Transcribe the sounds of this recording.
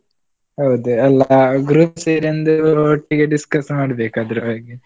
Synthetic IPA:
ɦɐwd̪uɛlːaɡɾupseːɾɐnd̪uoːʈːiɡeɖiskɐsmaːɽɐbeːkaːd̪ɐɾɐbaːɡi

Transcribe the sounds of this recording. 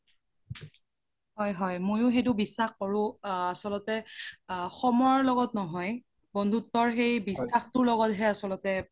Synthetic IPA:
ɦɔjɦɔjmojʊxejtʊbisːaxkɔɹʊ̃asɔlɔtɛ | xɔmɔjɔɹlɔɡɔtnɔɦɔj | bɔndʱutːɔɹxejbisːaxtʊɹlɔɡɔtɦɛasɔlɔtɛ

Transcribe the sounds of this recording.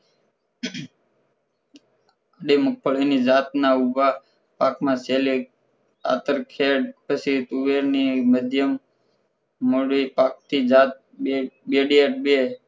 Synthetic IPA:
əɖemʊk̚pʰəɭinid͡ʒaːt̪nauba | paːkmãseli | a̰t̪əɾkʰeɖpəsit̪uʋeɾniməd̪ʱjəm | oɽipaːk̚t̪ʰid͡ʒaːt̪̚ | beɖieʈ̚be

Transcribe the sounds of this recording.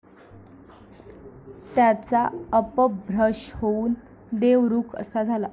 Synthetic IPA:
t̪jat͡saəpəbʱɾəʂhouːn | d̪eʋɾuːkʰə̰sad͡zʱala

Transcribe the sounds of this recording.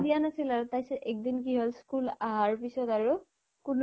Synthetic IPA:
dianasilaɹʊt̪ajsɛʔɛk̚d̪ink̬iɦɔlskulaɦaɹpisɔtaɹu | kʊn

